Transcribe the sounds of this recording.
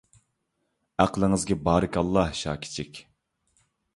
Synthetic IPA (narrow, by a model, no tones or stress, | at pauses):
æqlˠəŋɨzɡʲɛbɑːɾɨkʲɑlˠːɑhʃɑ̰ːkʲʰi̥t͡ʃʰɪkʲ